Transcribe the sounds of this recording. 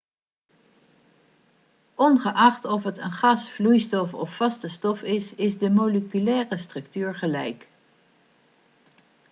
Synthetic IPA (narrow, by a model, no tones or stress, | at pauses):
ʔɔnχəʔɑχtɔfətənχɑsflujstɔfɔ̰fːɑstəstɔfɪsɪzdəmoləkylɛːrəstrɵk̚tyːɹχəlɛjk